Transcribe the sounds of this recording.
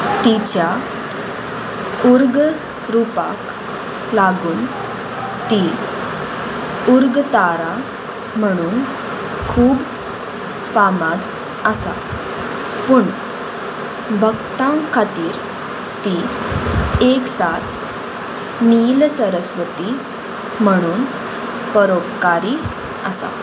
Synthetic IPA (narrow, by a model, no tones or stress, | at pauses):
t̪it͡ɕja | uɾɡ | ɾupa̰k | laɡuːn | t̪i | uɾɡt̪aɾa | m̤əɽ̃uːn | kʰuːb | famad̪ | əsa̰ | puɳ | bʱəɡt̪ãŋkʰːat̪iːɾ | t̪i | eksat̪ʰ | nilsəɾəsʋət̪i | m̤əɽ̃uːn | pəɾopkaɾiː | əsa̰